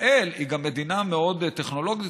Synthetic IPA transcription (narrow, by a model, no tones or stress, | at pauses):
ʔeliɡamːe̞d̪inameo̞d̪t̪eχno̞lo̞ɡi